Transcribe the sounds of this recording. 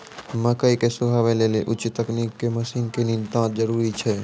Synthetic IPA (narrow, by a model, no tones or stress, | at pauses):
məkəikesʊbʱaːʋeleːleʔʊt͡ʃt̪ːəkniːkːeməsɪ̃nkenɪ̃nt̪ãːt̪d͡ʒəɾuːɾit͡ʃʰɛ